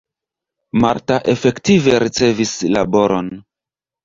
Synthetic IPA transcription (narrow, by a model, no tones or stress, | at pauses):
ma̰ɾtaʔe̞fe̞ktive̞ɾit͡se̞vislabo̞ɾo̞n